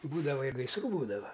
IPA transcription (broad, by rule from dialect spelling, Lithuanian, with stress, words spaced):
ˈbuːdɐʋɐ ɪ ɡɐɪsˈruː ˈbuːdɐʋɐ